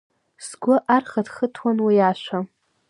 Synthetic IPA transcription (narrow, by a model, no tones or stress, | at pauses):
sɡʷʊʔarχatχətʰwanwajaʃʷa